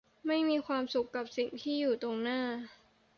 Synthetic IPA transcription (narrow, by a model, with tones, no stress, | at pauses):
ma˥˩jmiː˧kʰwaː˧msu˨˩kːa˨˩p̚si˨˩ŋt̪ʰiː˥˩juː˨˩t̪o˧ŋnaː˥˩